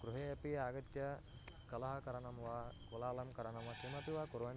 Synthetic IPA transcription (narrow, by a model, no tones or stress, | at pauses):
kɾuɦeːɐpijaːɡɐt̪jɐ | kɐlɐɦɐkɐɾɐɳɐmʋɐkulaːlɐmkɐɾɐɳɐmʋɐkimɐt̪iʋaːkuɾʋɐn